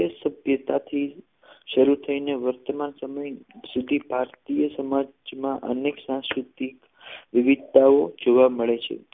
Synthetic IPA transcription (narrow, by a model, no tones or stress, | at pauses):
əsəbʱjət̪at̪ʰi | ʃəɾut̪ʰəineʋəɾt̪əmansəməjsud̪ʱibʱaɾt̪ijəsəmad͡ʒmãʔə̰neksãskɾut̪ik | ʋiʋid̪̚t̪aod͡ʒoʋaməɭet͡ʃʰḛ